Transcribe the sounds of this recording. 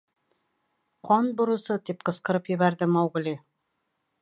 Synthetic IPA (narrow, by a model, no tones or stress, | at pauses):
qɒnbŏɾɤ̆sɤt̪ip̚qɤ̆sqɤ̆ɾɤpjɘ̆βæɾðɘmɑwɡɘ̆lʲi